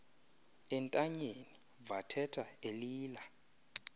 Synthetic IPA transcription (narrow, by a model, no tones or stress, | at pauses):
ɛntʼaɲeni | vatʰɛtʰaeliːla